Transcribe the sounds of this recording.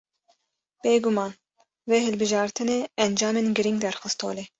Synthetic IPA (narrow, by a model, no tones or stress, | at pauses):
b̥eːɡumɑːn | veːɦɨlbɨʒɑːɾt̪ɨneːɛnd͡ʒɑːmeːnɡɨɾiŋɡd̪ɛɾxɨst̪oːleː